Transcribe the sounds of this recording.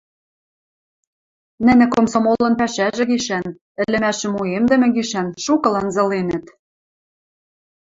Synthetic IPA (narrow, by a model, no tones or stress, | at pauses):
nɘ̆nɘ̆komsomolɤ̆npæʃæʒɘ̆ɣiʃæn | ɘ̆lɘ̆mæʃɘ̆muemd̪ɘ̆mɘ̆ɣiʃænʃukɤ̆lɑnzɤ̆lenɘ̆t̪